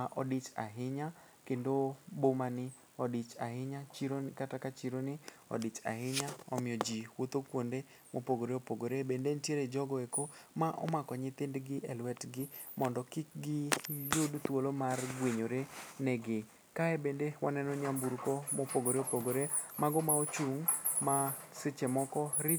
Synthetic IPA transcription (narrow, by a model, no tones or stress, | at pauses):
aʔɔ̰dɪt͡ʃa̰ɦɪɲa | kendobomanɪ | ɔdɪt͡ʃaɦɪɲat͡ʃiɾonkatakat͡ʃiɾonɪɔ̰dɪt͡ʃa̰hɪɲaɔmɪɔd͡ʒiwot̪okwonde | mopoɡoɾeopoɡoɾebendentjeɾed͡ʒɔɡɔekomaʔɔ̰makɔɲɪt̪ɪndɡɪʔɛlwɛtɡɪmɔndɔkɪk̚ɡɪjodut̪wolomarɡweɲoɾenɛɡɪ | kaebendewʔa̰nɛnɔɲambuɾkomopoɡoɾeopoɡoɾe | maɡɔmaot͡ʃuŋmasɪt͡ʃemɔkɔɾɪ